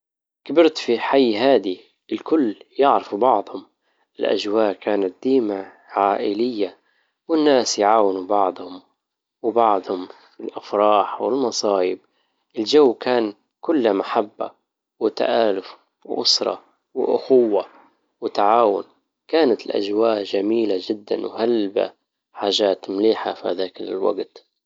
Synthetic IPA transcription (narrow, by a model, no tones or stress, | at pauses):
kabɪɾt̪fiħajːɦaːd̪i | ɪlkʊlːjɪʕɾɪfubɑʕd̪ˤhʊm | ɪlʔa̰ʒwaːʔkaːnat̪̚d̪̥iːma | ʕaːʔɪlɪjːa | wɪnːaːsjʕaːwɪnubɑʕd̪ˤhʊm | wɪbɑʕd̪ˤhʊmfilʔafɾˤɑːħwɪlmɑsˤɑːjɪb̚ | ʔɪld͡ʒawːkaːn | kʊlːamaħabːa̰ | wɪt̪a̰ʔaːlʊf | wʔʊsɾˤɑ̰ | wɪʔʊ̰xʊwːa | wɪt̪aʕaːwʊ̰n | kaːnat̪ɪlʔa̰ʒwaːʔʒamiːlad͡ʒɪd̪ːa̰nwhalba̰ | ħaːʒaːt̪mliːħafihaðaːkɪlɪ̰lwa̰ɡt̪